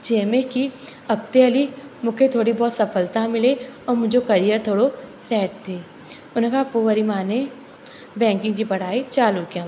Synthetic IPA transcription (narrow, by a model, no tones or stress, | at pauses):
d͡ʒeːmekiɐk̚t̪eɐlimʊkʰet̪ʰoːɽibɔːt̪sɐfʰəlt̪ãmɪleɔːɾmʊd͡ʒʱokɐɾijəɾt̪ʰoːɽosɛːʈ̚t̪ʰeː | ʊnekɐɦapuʋəɾimaːne | bɛ̃ːŋkɪ̃ŋɡd͡ʒipɐɽ̤aːit͡ʃaːluːkjã